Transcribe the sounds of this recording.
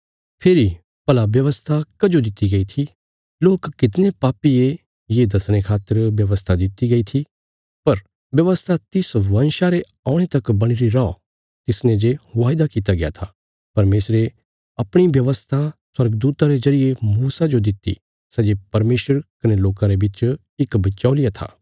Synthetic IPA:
pʰeːɾi | pɐlaʋjɐʋəst̪ʰakɐd͡ʒod̪ɪt̪ːiɡɐit̪ʰi | loːkːɪt̪nẽpaːpie | jed̪ɐsɽ̃ekʰaːt̪ːəɾʋjɐʋəst̪ʰad̪ɪt̪ːiɡɐit̪ʰi | pɐɾ | ʋjɐʋəst̪ʰat̪ɪsʋɐnʃaɾe | aːʊɽ̃et̪ɐkbɐɽ̃iɾiɾaɔ | t̪ɪsnẽd͡ʒeʋaːjd̪akiːt̪aɡɪja̰t̪ʰaː | pɐɾmeːsɾe | ɐpɽ̃iʋjɐʋəst̪ʰaswɐɾɡd̪uːt̪aɾezɐɾijemuːsad͡ʒod̪ɪt̪ːḭ | sɛd͡ʒepɐɾmeːʃəɾkɐneloːkãɾebɪt͡ʃ | ɪkbɐt͡ʃaːlɪjat̪ʰa̰ː

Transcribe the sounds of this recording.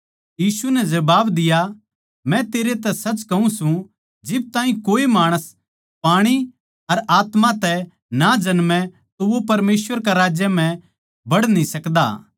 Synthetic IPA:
jiːsunɛd͡ʒɐbaːbd̪ɪja | mɛ̃t̪eːɾet̪ɛsɐt͡ʃkɐɦũsũ | d͡ʒɪb̚t̪ãːĩkoːimaːɽ̃əs | paːɽ̃i | ɐɾaːt̪mãt̪ɛ | nad͡ʒɐnmɛ̃ | t̪oʋopɐɾmeːsʋəɾkaɾaːd͡ʒjəm̤ɛ̃ | bɐɽnĩsɐkd̪a̰ː

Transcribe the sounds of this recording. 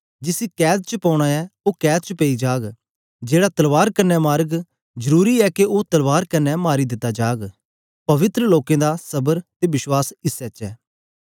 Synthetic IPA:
d͡ʒɪsikɛːt̪̚t͡ʃəpɔʊɽ̃aɛoːkɛːd̪̚t͡ʃəpeːid͡ʒaːɡ | d͡ʒeːɽat̪ɐlʋaːɾkɐɾnɛmaːɾəɡ | zəɾuːɾiɛkeot̪ɐlʋaːɾkɐɾnɛmaːɾid̪ɪt̪ːad͡ʒaːɡ | pɐʋɪt̪ɾəloːkẽːd̪asɐbəɾt̪ebɪʃwaːsɪsɛt͡ʃɛː

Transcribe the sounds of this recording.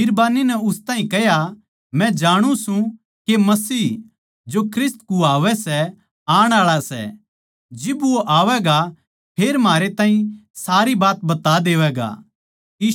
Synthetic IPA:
ɪɾbaːninɛʊst̪aːɦĩkɛɦja | mɛ̃d͡ʒaːɽ̃ũsũ | kemɐsiː | d͡ʒokʰɾɪst̪kuaːʋɛsɛ | aːɽ̃aːɭasɛ̰ | d͡ʒɪboʔaːʋɛɡa | pʰeːɾmaːɾet̪ãːɦĩsaːɾibaːt̪bɐt̪ad̪eːʋɛɡa̰ː | iː

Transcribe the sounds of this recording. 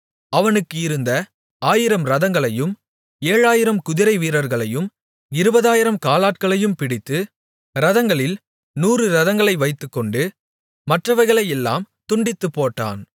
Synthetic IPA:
ɐʋɐnɯkːɯɪɾɯnd̪ɐ | aːjɪɾɐmɾɐðɐŋɡɐɭɐjɯm | eːɻaːjɪɾɐmkʊðɪɾɐɪʋiːɾɐɾɣɐɭɐjɯm | ɪɾɯbɐðaːjɪɾɐmkaːlaːʈ̚kɐɭɐjɯmpɪɽɪt̪ːɯ | ɾɐðɐŋɡɐɭɪl | nuːrɯɾɐðɐŋɡɐɭɐɪʋɐɪt̪ːɯkːɔɳɖɯ | mɐʈrɐʋɐɾɣɐɭɐjɛlːa̰ːm | t̪ʊɳɖɪt̪ːɯpːoːʈːa̰ːn

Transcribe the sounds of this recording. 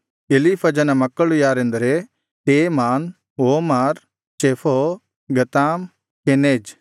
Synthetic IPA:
elipʰɐd͡ʒɐnɐmɐkːɐɭujaːɾend̪ɐɾe | ʈeːmaːn | oːmaːɾ | t͡ʃeːfʰo | ɡɐt̪aːm | keneːd͡ʒ

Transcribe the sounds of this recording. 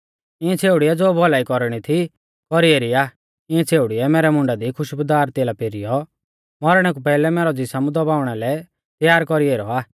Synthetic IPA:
ɪɛ̃t͡sʰeːuɽiɛd͡zoːbʱɔlaːikɔɾɽ̃it̪ʰi | kɔɾieːɾiaː | ɪ̃ɛ̃t͡sʰeːʊɽiɛmɛːɾɛmʊ̃ɳɖad̪ikʰʊʃbʊd̪aːɾt̪eːlapeɾijɔ | mɔɾɽ̃ɛk̬upɛːlɛmɛːɾɔd͡zɪsamud̪ɔbaːʊɽ̃ɛlɛ | t̪jaːɾkɔɾieːɾɔaː

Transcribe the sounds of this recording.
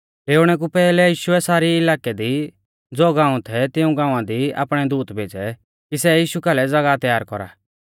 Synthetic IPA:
leːʊɽ̃ɛk̬upɛːlɛjiːʃuɛsaːɾiɪlaːkɛd̪i | d͡zoːɡãːũt̪ʰɛt̪ɪũɡãːãd̪ia̰ːpɽ̃ɛd̪uːt̪bʱeːd͡ʒɛ | kisɛjiːʃukalɛd͡zɐɡat̪jaːɾkɔɾa̰ː

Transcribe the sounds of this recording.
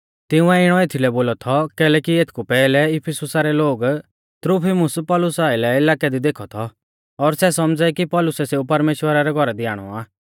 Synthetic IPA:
t̪ɪũɛɪɽ̃ɔeːt̪ʰilɛboːlɔt̪ʰɔkɛːlɛkieːt̪ʰkupɛːlɛɪpʰɪsʊsaɾɛloːɡ | t̪ɾupʰimʊspɔːlʊsaːɪlɛɪlaːkɛd̪id̪eːkʰɔt̪ʰɔ | ɔɾsɛsɔmd͡zɛkipɔlʊsɛseːupɐɾmeːʃwəɾaɾɛɡʱɔɾɛd̪ɪaːɽ̃ɔ̰aː

